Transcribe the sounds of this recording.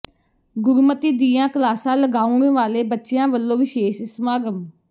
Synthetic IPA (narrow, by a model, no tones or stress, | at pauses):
ɡʊɾumət̪iːd̪iːãːkəlaːsãːləɡaːuɳẽːʋaːleːbətːʃejãːʋəlːõːʋɪʃeːʃɪsmaːɡəm